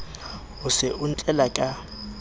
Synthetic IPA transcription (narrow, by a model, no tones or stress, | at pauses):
hʊsɪʊn̩t͡ɬʼɛlakʼa